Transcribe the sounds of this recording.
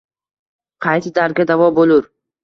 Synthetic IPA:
qʰɑjt̪ɪd̪aɾɡʲad̪avɒbolʊɾ

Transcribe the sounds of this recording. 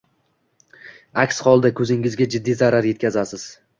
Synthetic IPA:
akʲsχɒlˠd̪akʰɵzɪŋɪzɡʲad͡ʒɪd̪ːizaɾaɾje̞t̪̚ʲkʲazasɪz̥

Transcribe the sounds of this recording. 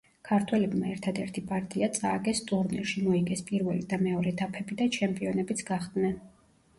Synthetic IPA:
kʰaɾt̪ʰwɛlɛbmaɛɾt̪ʰad̪ɛɾt̪ʰipʼaɾt̪ʼiat̪sʼaɡɛst̪ʼuɾnɛɾʃimɔiɡɛspʼiɾvɛlid̪amɛɔɾɛd̪apʰɛbid̪at͡ʃʰɛmpʼiɔnɛbit̪sʰɡ̥aχd̪nɛn

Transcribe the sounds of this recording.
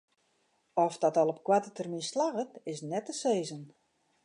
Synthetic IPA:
ɔfdɔtɔlˠɔp̚kwatətərmislaɣətɪsnɛtəseːzən

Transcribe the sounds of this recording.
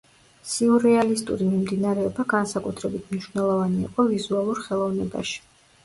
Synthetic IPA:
siuɾɛalist̪ʼṵɾimimd̪inaɾɛɔbaɡansakʼut̪ʰɾɛbit̪ʰmniʃvnɛlˠɔvanḭːqʼɔvizualˠuɾχɛlˠɔvnɛba̰ʃi̥

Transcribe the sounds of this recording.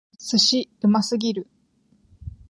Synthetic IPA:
sɨɕiɯmasɨɡʲiɾɯ̟

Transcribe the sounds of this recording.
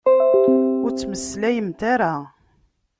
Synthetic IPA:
ʊɾt͡sːməsːlæjəmt̪aɾa

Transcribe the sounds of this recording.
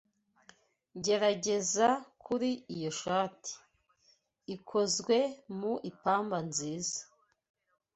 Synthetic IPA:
ɟe̞ɾaɟe̞zakʰuɾiijo̞ʃaːti̥ | kʰo̞zɡwe̞muʔipaːmbanziːzḁ

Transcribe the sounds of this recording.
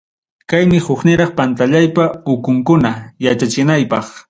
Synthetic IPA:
kajmɪhʊχnɪɾɑχpant̪aʎajpaʊkʊŋkʊnajat͡ʃat͡ʃɪnajpɑχ

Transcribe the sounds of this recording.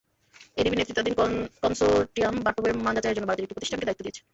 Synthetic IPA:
eɾibiɾnet̪ːɾit̪ːad̪inkɔnsoʈiambaʈobemand͡ʑat͡ɕaeɾd͡ʑonːobaɾt̪iɾekʈipɾot̪iʃʈʰanked̪ait̪ːod̪ijet͡ɕʰe̥

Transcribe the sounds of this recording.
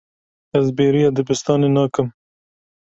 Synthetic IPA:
ɐzbeːɾiad̪əbɪst̪ɑːnenɑːkəm

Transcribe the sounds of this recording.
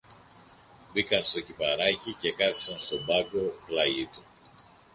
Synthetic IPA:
bikɐnst̪o̞cipɐɾɐcice̞kɐt̪i̥sɐnst̪o̞bɐɡo̞plɐʝit̪u

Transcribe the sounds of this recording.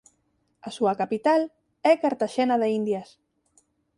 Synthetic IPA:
asuakapit̪al | ɛkaɾt̪aʃɛnaðeind̪jas

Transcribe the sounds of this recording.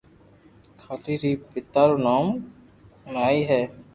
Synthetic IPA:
kʰat̪iːɾiːpɪt̪ːaːɾoːnaːm | ʊnaːiːɦɛː

